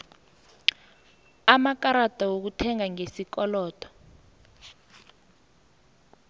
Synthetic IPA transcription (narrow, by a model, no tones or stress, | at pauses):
amakaɾad̥ʱɔwok̬utʰɛŋaŋesikɔlɔːtɔ̥